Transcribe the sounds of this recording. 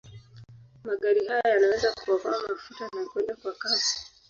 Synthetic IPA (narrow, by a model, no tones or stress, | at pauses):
maɠaɾihajajanawɛzakuavaːmafutanakwɛndakwakazi̥